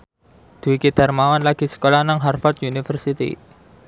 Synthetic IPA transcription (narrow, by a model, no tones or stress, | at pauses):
d̪̥uwikid̪̥a̤rmawanlaɡ̥i̤sə̥kolanaŋɦarfɔrt̪junifərsit̪ḭ